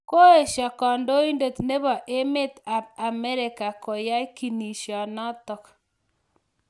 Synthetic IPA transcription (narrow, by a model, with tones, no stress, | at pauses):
ko˦e˨ʃɔ˨kɔ˨ndo˦i˦ndo˨t̪ne˦βɔ˨ʔe˦me˦t̪a˨p̚a˨mɛ˦ɾɪ˨ka˨ko˨ja˦i˦ki˨ni˨ʃjɔ˨nɔ˦t̪ɔ˨k